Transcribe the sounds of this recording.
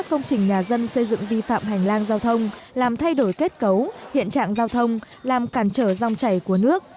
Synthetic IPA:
a˦˥kkːə˧wŋ͡mt͡ɕï˨˩ŋ̟ɲaː˨˩zə˧nsə˧jzɨ̰˧˨ŋvi˧fa̰ː˧˨mɦa˨˩jŋ̟laː˧ŋzaː˧wt̪ʰə˧wŋ͡mlaː˨˩mt̪ʰa˧jɗo˧˩jke˦˥t̚kə˨˦whḭ˧˨ənt͡ɕa̰ː˧˨ŋzaː˧wt̪ʰə˧wŋ͡m | laː˨˩mkaː˧˩nt͡ɕəː˧˩za˧wŋ͡mt͡ɕa˧˩jku˧˩ənɨ˦˥ək̚

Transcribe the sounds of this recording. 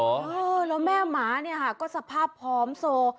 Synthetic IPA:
ʔɤː˧lɔ˦˥mɛː˥˩maː˩˦ni˥˩ɐkʰa˥˩kɔː˥˩sa˧pʰaː˥˩pʰːɔː˨˦˥msoː˧

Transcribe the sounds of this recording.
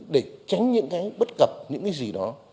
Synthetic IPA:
ɗe˧˩t͡ɕa˨˦jŋ̟ɲɨ̰˧˥ŋkaː˨˦jɓə˦˥t̚kə˨˩p̚ɲɨ̰˧˥ŋkaː˨˦jzi˨˩ɗɔ˨˦

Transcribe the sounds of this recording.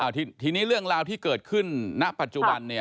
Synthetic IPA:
ʔa˧˩wt̪ʰi˧t̪ʰiː˧niː˦˥ɾɯ˥˩əŋɾaː˧wt̪ʰiː˥˩kɤː˨˩t̪̚kʰɯ˥˩nːa˦˥ʔpa˨˩t̪̚t͡ɕu˧ba˧nːi˥˩ɐ

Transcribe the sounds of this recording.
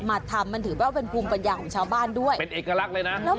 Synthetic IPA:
ma˨˩t̪ʰːa˧mːa˧nt̪ʰɯː˩˦bɛː˦˥˩pe˧npʰuː˧mpa˧njaː˧kʰɔː˩˦ŋt͡ɕʰaː˧wbaː˥˩ndu˥˩əjpe˧nʔeː˨˩kːa˧la˦˥k̚lɤː˧jna˦˥lɛː˨˦˥w

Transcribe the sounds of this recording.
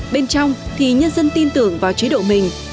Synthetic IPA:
ɓe˧nt͡ɕa˧wŋ͡mt̪ʰi˨˩ɲə˧nzə˧nt̪i˧nt̪ɨ˨˧˩əŋvaː˨˩wt͡ɕə˨˦ɗo̰˧˨mï˨˩ŋ̟

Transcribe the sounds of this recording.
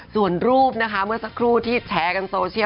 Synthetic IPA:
su˨˩ənɾuː˥˩p̚na˦˥kʰa˦˥mɯ˥˩ɐsa˦˥kʰɾuː˥˩t̪ʰiː˥˩t͡ɕʰɛː˨˦ka˧nsoː˧t͡ɕʰi˥˩

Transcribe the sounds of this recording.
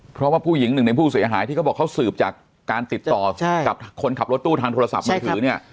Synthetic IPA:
pʰɾɔ˦˥waː˥˩pʰuː˥˩ji˩˦ŋnɯ˨˩ŋna˧jpʰuː˥˩si˩˦ɐɦaː˩˦j̪t̪iː˥˩ka˥bɔː˨˩kːʰwsɯː˨˩p̚t͡ɕaː˨˩kː | aː˧nt̪i˨˩t̪ːɔː˨˩˥ka˨˩p̚kʰo˧nkʰa˨˩p̚o˦˥t̪ːuː˥˩t̪ʰaː˧ŋt̪ʰoː˧a˧sa̰˨˩p̚ma˥˩ɯ˧˩˦ni˥˩ɐ

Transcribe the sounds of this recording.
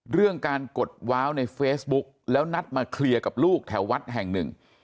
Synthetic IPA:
ɾɯ˥˩əŋkaː˧nko˨˩t̪̚waː˦˥wna˧jfeː˦˥sbu˦˥k̚lɛː˦˥wna˦˥t̪̚maː˧kʰli˧ɐka˨˩p̚luː˥˩k̚t̪ʰɛ˩˦wːa˦˥t̪̚ɦɛ˨˩ŋnɯ̰˨˩ŋ

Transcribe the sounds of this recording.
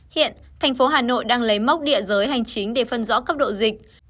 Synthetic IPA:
hḭ˧˨ənt̪ʰa˨˩jŋ̟fo˨˦ɦaː˨˩no̰˧˨jɗaː˧ŋlə˨˦jma˦˥wk͡p̚ɗḭ˧˨əzəː˨˦jɦa˨˩jŋ̟t͡ɕi˨˦ŋ̟ɗe˧˩fə˧nzɔ̰˧˥kə˦˥p̚ɗo̰˧˨zï˨˩k̚

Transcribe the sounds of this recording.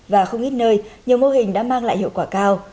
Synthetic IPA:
vaː˨˩xə˧wŋ͡mʔi˦˥t̚nəː˧jɲi˨˩əwmo˧hï˨˩ŋ̟ɗa̰ː˧˥maː˧ŋla̰ː˧˨jhḭ˧˨wkwaː˧˩kaː˧w

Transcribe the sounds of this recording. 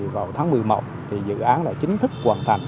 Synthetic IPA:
vaː˨˩wt̪ʰaː˨˦ŋmɨ˨˩əjmə˨˩t̚t̪ʰi˨˩zɨ̰˧˨ʔaː˨˦nla̰ː˨˩t͡ɕï˨˦ŋ̟t̪ʰɨ˦˥kːwaː˨˩nt̪ʰa˨˩jŋ̟

